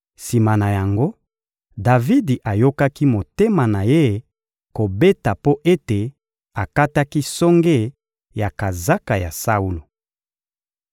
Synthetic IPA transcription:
si˨ma˨na˨ja˨ŋɡo˦ | da˨vi˦di˨ʔa˨jo˦ka˦ki˦mo˨te˦ma˨na˨je˦ | ko˨be˦ta˨po˦ʔe˦te˨ | a˨ka˦ta˦ki˦sɔ˦ŋɡe˦˨ | ja˨ka˨za˦ka˨ja̰˨sa˦u˦lo˨

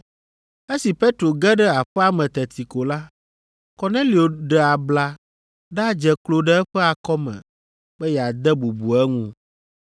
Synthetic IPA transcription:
e˦si˨pe˦t̪ɾo˨ɡɛ˦ɖɛ˦a˨ɸɛ˦a˦mɛ̃˨t̪ɛ˨t̪ʰi˨ko˨la˦ | kɔ˨nɛ̃˦li˨o˨ɖɛ˨a˨bla˨ | ɖa˦d͡ʒɛ˨klo˨ɖɛ˦ɛ˦ɸɛ˦a˨kɔ˦mɛ̰̃˨ | bɛ˦jɛ˨a˨d̪ɛ˦bu˨bu˨ɛ˦ŋũ˦

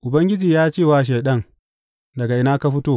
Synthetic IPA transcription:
ʔʊ˨bɐ˦ŋɡʲɪ˦d͡ʒiː˨jaː˦t͡ʃeː˦˨waː˦ʃ̬eː˨ɗɐ˦ŋ | dɐ˨ɡa˨ʔɪ˦naː˦ka˦ɸɪ˦toː˦˨

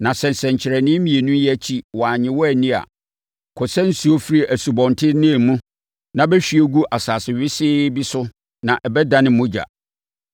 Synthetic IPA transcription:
nã˨sɛ˨n˨sɛ̃˨ɲ˨t͡ɕʰɪ˨ɾɛ˨nɪ̃˦mĩ˨e˨nũ˦jɛ˦˨t͡ɕʰi˦wɔ˨a˨ɲɪ̃˨˦wɔ˦æ˨nĩ˦a̰˨ | kʰɔ˨sɛ̃˦n̩˦su˦o˦fi˦ɾi˦˨ʔæ˨su˨bɔ̃˨ntʰɪ˦nɪ̃˦˨mũ˦ | nã˨bɛ˦ɕᶣi˦e˦ɡu˦ʔa˨saː˨sɪ˨ɥɪ˦sɪː˦bi˦sʊ˦ | nã˨ʔɛ˨bɛ˦dã˦nɪ̃˦mʊ̃˦d͡ʑa̰˨

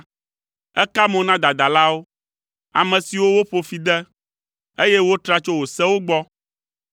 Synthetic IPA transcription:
ɛ˦ka˦mɔ̃˨nã˦d̪a˨d̪a˨la˦wo˦ | a̰˨mɛ̃˨si˨wo˦wo˦ɸo˨fi˨d̪ɛ˦ | e˦jɛ˦wo˦t̪ɾa˦t͡ʃo˦wo˨sɛ˦wo˦ɡ͡bɔ˦

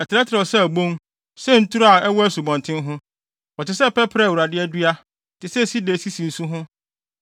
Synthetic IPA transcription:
ɛ˨tɪ˨ɾɛ˦tʰɪɾɛ˨ɔ˨sɛ˦æ˨bõ˦m | sɛ˦n̩˦tu˦ɾa˨ɛ˦wɔ˦æ˦su˨bɔ̃˨ntʰɪ̃˦nɦʊ̃˦ | ɔ˨tɪ˨sɛ˦˨pɛ˦pʰɪɾɛ˦˨wu˨ɾa˨dɪ˦ɛ˦dɥa˦˨ | tʰɪ˨sɛ˦˨si˦de˨si˦si˨n̩˦sũ˦ɦʊ̃˦

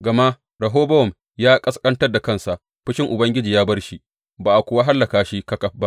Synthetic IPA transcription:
ɡɐ˨ma˦ | ɽɐ˨ɦoː˦bɐ˦ɔ˨m | jaː˦kʼɐ˦skʼɐ˦ntɐ˦rda˨kɐ˦˨nsa˨ʔ | ɸɪ˦ʃɪ˦ŋʔʊ˨bɐ˦ŋɡʲɪ˦d͡ʒiː˨jaː˦bɐ˦rʃi˦ | baː˨ʔa˨kʷʊ˨wa˦ɦa˦lːɐ˨kaː˨ʃi˦kɐ˦kɐ˨ɸ̚ba˦ʔ

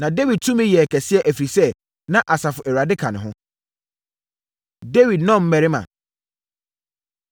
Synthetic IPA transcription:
nã˨de˦wi˨d̚tʰu˦mɪ̃˦jɛ˨kʰɛ˨sɪ˦ɛ˦ʔæ˨fɾi˨sɛ˦ | nã˦ʔa˨sa˨fʊ˨ʔɛ˨ɾa˨dɪ˦kʰã˨nʊ̃˨ɦʊ̃˦ | de˦wi˨d̚nɔ̃˦˨m̩˦mɛ˨ɾɪ˦mã̰˨

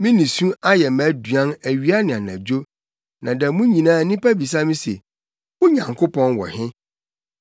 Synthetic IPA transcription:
mɪ̃˦nĩ˨sũ˦a˦jɛ˨mæ˦dɥã˦næ˨ɥi˦a˦nɪ̃˨a˨næ̃˨d͡ʑo˦ | nã˨dæ˨mũ˦ɲĩ˨nãː˨˦˨nĩ˦pa˦bi˨s̬a˦mĩ˦se˨ | wʊ˦ɲã˨ŋkʰo˦pʰɔ̃˦nwɔ̰˨hɪ̃˦

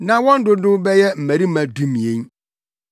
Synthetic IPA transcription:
nã˨wɔ̃˦n̩˦dʊ˦dʊ˦bɛ˦jɛ˦m̩˨mæ˨ɾi˦mã˨du˦mĩ˨ẽ˦ɲ

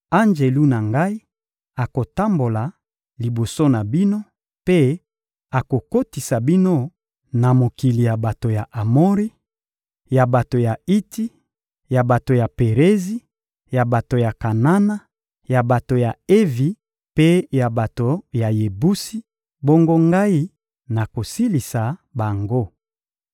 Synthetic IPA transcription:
a˦nd͡ʒe˨lu˦na˨ŋɡa˦i˦ | a˨ko˨ta˦mbo˨la˨ | li˨bo˨so˦na˨bi˦no˦ | pe˦ | a˨ko˨ko˦ti˨sa˨bi˦no˦ | na˨mo˨ki˨li˨ja˨ba˨to˨ja˨ʔa˨mo˦ʁi˦ | ja˨ba˨to˨ja˨i˦ti˦ | ja˨ba˨to˨ja˨pe˨ʁe˦zi˦ | ja˨ba˨to˨ja˨ka˨na˦na˦ | ja˨ba˨to˨ja˨e˦vi˨ | pe˦ja˨ba˨to˨ja˨je˨bu˦si˦ | bo˦ŋɡo˦ŋɡa˦i˦ | na˨ko˨si˦li˨sa˨ba˨ŋɡo˦

